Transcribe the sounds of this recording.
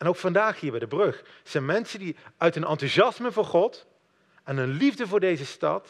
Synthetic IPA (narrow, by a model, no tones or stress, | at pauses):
ʔɛnowkfɑndaːχɦiːɹbɛjdəbrɵχ | z̥ɛjnmɛnsəndiœɥtənɑntuʒɑsməvʊːɹχɔt | ɛnənlivdəvʊːɹdejzəstɑ̰t